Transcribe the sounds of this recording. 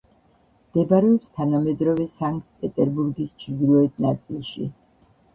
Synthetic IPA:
md̪̥ɛbaɾɛɔpst̪ʰanamɛd̪ɾɔvɛsaŋk̚t̪̚ʰpʼɛt̪ʼɛɾbuɾɡist͡ʃʰd̪ilɔɛt̪̚ʰnat̪sʼilˠʃḭ

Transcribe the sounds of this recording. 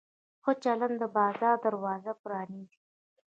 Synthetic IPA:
xot͡ʃaland̪əbɑːzɑɾd̪aɾwɑːzapɾɑːnizi

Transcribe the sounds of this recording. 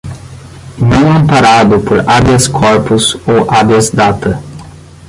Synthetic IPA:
nɐ̃w̃ɐ̃mpaɾad̪ʊpoɾabjɐskʰɔɾpʊzowʔabjɐzd̪at̪ɐ

